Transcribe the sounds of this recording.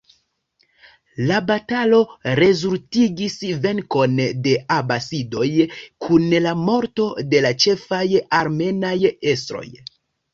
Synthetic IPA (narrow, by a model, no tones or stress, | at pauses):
labatalo̞ɾe̞zultiɡisve̞ŋko̞nde̞abasido̞jkʰunlamo̞ɾto̞de̞lat͡ʃe̞fajaɾme̞naje̞stɾo̞̰j